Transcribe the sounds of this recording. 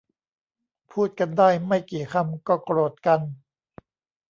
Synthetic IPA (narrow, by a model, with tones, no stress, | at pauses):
pʰuː˥˩t̪̚ka˧ndaː˥˩jma˥˩jkiː˨˩kʰa˧mkɔː˥˩kɾoː˨˩t̪̚ka˧n